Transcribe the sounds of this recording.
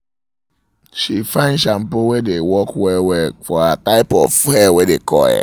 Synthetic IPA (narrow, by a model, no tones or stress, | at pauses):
ʃifãɪ̃nʃam̩powedewɔkwɛwɛfɔataɪpɔfhɛwedekʰɔ̰jɛ̰